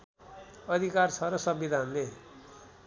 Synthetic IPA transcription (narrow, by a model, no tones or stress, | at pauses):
ʌd̪ʱikarsʰʌɾʌsʌbid̪ʱanle